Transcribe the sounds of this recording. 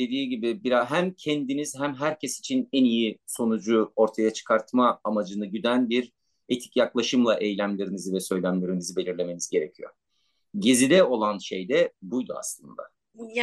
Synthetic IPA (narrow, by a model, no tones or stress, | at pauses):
d̪e̞d̪iːɟibibiɾaɦæmcʰɛnd̪inizɦæmɦæɾcʰɛsi̥t͡ʃʰinɛnijiso̞nud͡ʒuo̞ɾt̪ʰajat͡ʃʰɯ̥kʰaɾt̪maːmad͡ʒɯnɯɟyd̪ænbiɾ | et̪ʰi̥cjaklˠaʃɯmlˠaʔɛjlʲæmlʲeɾinizivɛsø̞jlʲæmlʲe̞ɾinizibe̞lʲiɾlʲe̞me̞nizɟe̞ɾecʰijo̰ɾ | ɟezid̪ɛo̞lˠanʃejd̪ɛbujd̪ua̰slˠɯ̰nd̪a̰